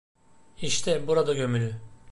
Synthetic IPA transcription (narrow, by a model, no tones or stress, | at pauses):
iʃt̪ʰɛbuɾad̪aɟø̞mylʲy